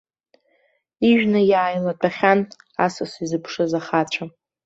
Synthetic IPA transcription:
iʒᶣnajaːjlat͡pʷʰʼaχʲan | a̰sasizɨpʰʂɨzaχat͡ɕʷʰa

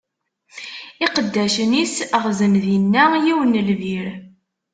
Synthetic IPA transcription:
iqəd̪ːæʃənisəʁzənðinːæjiwənəlviɾ

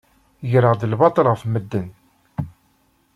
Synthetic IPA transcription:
jɾəʁd̪əlbɑt̪ˤəlʁəfməd̪ːən

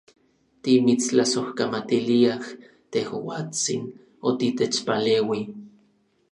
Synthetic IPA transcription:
t̪imit͡slasohkamat̪iliah | t̪ehwaːt͡sḭn | ot̪it̪et͡ʃpaleːwi

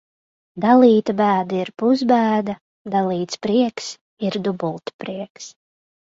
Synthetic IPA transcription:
d̪alˠiːt̪abæːd̪aiɾpuzbæːd̪a | d̪alˠiːt̪spɾiɛks | iɾd̪ubulˠt̪pɾiɛks

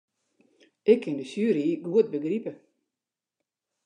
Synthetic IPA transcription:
ʔɪkʰːɪndəsyːɾiːɡuət̚bəɡripə

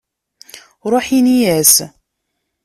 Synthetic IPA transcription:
ɾˤoħinijæs

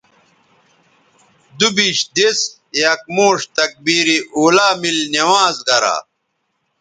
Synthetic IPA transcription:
d̪ubiːɕd̪es | jɐk̚moːʂt̪ɐk̚biːɾiʔoːlaːmilnewaːzɡɐɾa̰ː

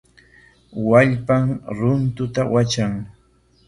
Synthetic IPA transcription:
waʎpaŋɾʊnt̪ʊt̪awat͡ʃaŋ

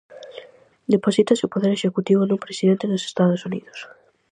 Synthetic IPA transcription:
d̪eposit̪asupoðeɾeʃekut̪iβ̞onumpɾesiðẽnt̪eðose̥st̪aðosunḭðos

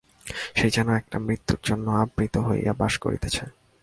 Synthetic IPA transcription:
ʃejd͡ʑɛnoɛk̚ʈamɾit̪ːuɾd͡ʑonːoabɾit̪oɦojja̰baʃko̰ɾḭt̪et͡ɕʰa

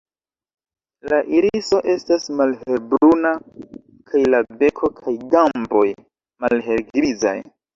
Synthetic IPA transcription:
laʔiɾiso̞ʔe̞stasmalhe̞ɾbɾuna | kʰajlabe̞kʰo̞kʰajɡambo̞j | malɦe̞ɾɡɾiza̰j

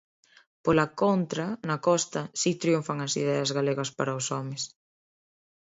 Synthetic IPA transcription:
polɐkont̪ɾɐnɐkɔst̪ɐsit̪ɾiuɱfaŋɐsiðɛɐzɣaleɣɐspaɾɐosɔmes

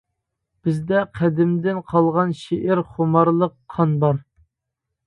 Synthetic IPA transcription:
b̥ɪzd̪ɛqʰæd̪ɪmd̪ɪnqʰɑlˠʁɑnʃeʔɪɾχomɑɾlˠəqʰːɑnbɑɾ

